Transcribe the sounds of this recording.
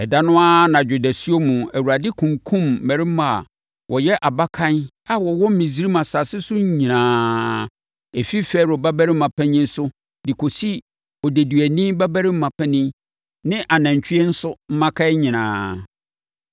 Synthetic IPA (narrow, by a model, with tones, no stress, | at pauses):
ɛ˨da˦nʊ̃˦a˦nã˨d͡ʑᶣu˨dæ˨si˦o˦mũ˨æ˨wu˨ɾa˨dɪ˦kʰũ˨ŋkʰũ˦mː˨æ̃˨ɾɪ˦mã˦˨a̰˨ | wʔɔ˨jɛ˦ʔa˨ba˦kʰã˦n | a˦wɔ˨wɔ˦m˦mĩ˨zi˦ɾi˦mã˨sa˨sɪ˦sʊ˦ɲ˦ɲĩ˨nãː˨ | e˨fi˦fɛ˦˨ɾɔ˨ba˦bæ˦ɾɪ˦m̩˦mã˨pʰɛ̃˦ɲɪ̃˦n̩˦sʊ˦ | dɪ˨kʰo˨si˦ | ɔ˨dæ˨du˨æ˨nĩ˦ba˦bæ˦ɾɪ˦m̩˦mã˨pʰɛ̃˦nĩ˦ | nɪ̃˦ʔa˨nã˨ɲ˨t͡ɕʰᶣi˦ɛ˦n̩˦sʊ˦m̩˦mã˦kʰa˦ɲĩ˨nãː˨